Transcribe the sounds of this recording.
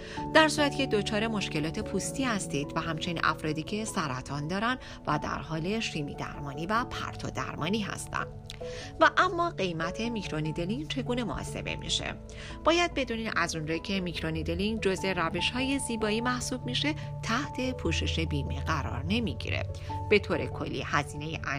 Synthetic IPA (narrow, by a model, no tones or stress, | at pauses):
d̪̥æɾsuːɾæt̪ːcʰe̞d̪o̞t͡ʃʰɒːɾe̞mo̞ʃce̞lɒːt̪ʰe̞pʰuːst̪iːhæst̪iːd̪̥væɦæmt͡ʃʰe̞ninʔæ̰fɾɒːd̪iːcʰe̞sæɾæt̪ʰɒnd̪ɒːɾæn | væd̪æ̰ɾhɒːle̞ʃiːmḭːd̪æ̰ɾmɒːniːvæpʰæ̰ɾt̪ʰo̰d̪æ̰ɾmɒ̰ːniːɦæ̰st̪ʰæ̰n | væʔæmːɒːɢe̞jmæt̪ʰe̞micʰɾo̞nid̪eliŋt͡ʃʰe̞ɡuːne̞mo̰ʔɔ̰ːse̞̰be̞̰mḭʃḛ | b̥ɒːjæd̪̚be̞d̪uːninʔæzund͡ʒɒcʰe̞micɾo̞nid̪eliŋd͡ʒo̞ze̞ɾæve̞ʃhɒːje̞ziːbɒːiːmæhsuːb̥̚miʃe̞ | t̪ʰæht̪ʰe̞pʰuːʃe̞ʃe̞biːmeɢæɾɒ̰ɾne̞miɟḭɾḛb̥e̞t̪ʰoːɾe̞kʰo̞̰lːḭhæziːne̞jḛʔæ